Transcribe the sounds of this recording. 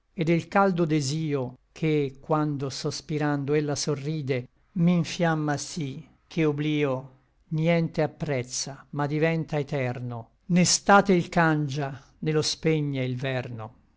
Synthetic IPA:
ed̪elkald̪od̪eziːokʰekwand̪osospiɾand̪oelːasorːiːd̪e | miɱfjamːasi | k̟ʰeobliːo | njɛnt̪eapːɾɛt̪sːamad̪ivɛnt̪aet̪ɛrno | nest̪aːt̪eilkand͡ʒa | nelospeɲːeilvɛrno

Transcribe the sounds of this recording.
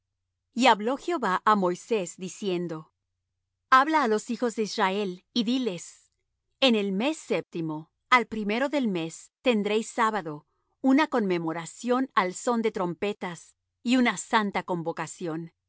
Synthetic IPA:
iaβlo̞xeo̞βaʔamo̞jse̞zd̪isje̞nd̪o̞ | aβlaːlo̞sixo̞zðe̞israe̞liðile̞s | ene̞lme̞sːe̞p̚t̪imo̞ | alpɾime̞ɾo̞ðe̞lme̞st̪e̞nd̪ɾejsːaβaðo̞ | unako̞nme̞mo̞ɾasjo̞nalso̞nd̪e̞t̪ɾo̞mpe̞t̪as | iunasant̪ako̞mbo̞kasjo̞n

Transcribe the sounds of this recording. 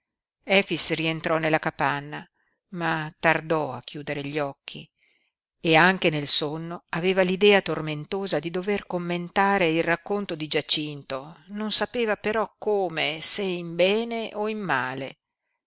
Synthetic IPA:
ɛfisrient̪ɾɔnelːakapanːa | mat̪ard̪ɔa̰kːjuːd̪eɾeʎːɔkʰːi | eaŋkenelsonːoaveːvalid̪ɛːat̪orment̪oːzad̪id̪overkomːent̪aːɾeilrakːont̪od̪id͡ʒat͡ʃint̪ononsapeːvapeɾɔkːoːmeseimbɛːneʔoimːaːle

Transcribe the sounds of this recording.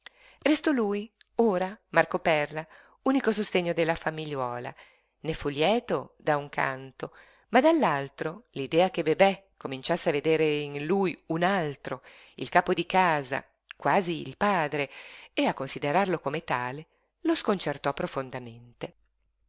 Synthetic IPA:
rest̪ɔluːjoːɾamarkopɛrla | uːnikosost̪eɲːod̪elːafamiʎːwɔːla̰ | nefuljɛːt̪od̪auŋkʰa̰nt̪o | mad̪alːalt̪ɾolid̪ɛːak̟ebebɛkːomint͡ʃasːeaved̪eːɾeinlujunalt̪ɾo | ḭlkaːpod̪ikaːza̰ | kwaːzḭːlpaːd̪ɾeeakːonsid̪eɾarlokomet̪aːle | loskont͡ʃert̪ɔpːɾofond̪ament̪e

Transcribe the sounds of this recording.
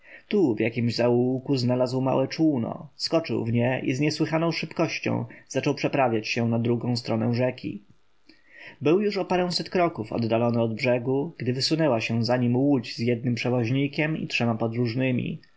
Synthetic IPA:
t̪uvjakʲimʑzauwkuznalazwma̰wɛt͡ʂunɔ̰skɔt͡ʂɘ̰wvɲɛʔḭzɲɛswɘxanɔ̃w̃ʂɘpkɔɕt͡ɕɔ̰̃w̃zat͡ʂɔwpʂɛpɾavʲjat͡ɕɕɛnad̪ɾuɡɔ̃w̃st̪ɾɔnɛw̃ʐɛkʲʰḭ | bɘwjuʂɔpaɾɛ̃w̃sɛt̪kɾɔkufɔ̰d̪ːalɔnɘɔd̪bʐɛɡuɡ̥d̪ɘvɘsunɛwaɕɛzaɲimwud͡ʑzjɛd̪̚nɘmpʂɛvɔʑɲikʲɛmḭtʂɛmapɔd̪ɾuʐnɘmʲḭ

